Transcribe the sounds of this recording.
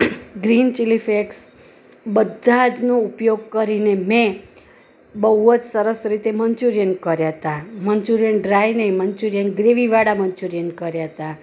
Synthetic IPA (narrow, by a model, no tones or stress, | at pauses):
ɡɾint͡ʃilifʰeks | bəd̪ʱad͡ʒnoupjoɡ̚kəɾinemẽ | bəɦuəd͡ʒsəɾəsɾit̪eməɲt͡ʃuɾijənkəɾjat̪amənt͡ʃuɾijənɖɾajnemənt͡ʃuɾijənɡɾeʋiʋaɽaməɲt͡ʃuɾijənkəɾjat̪a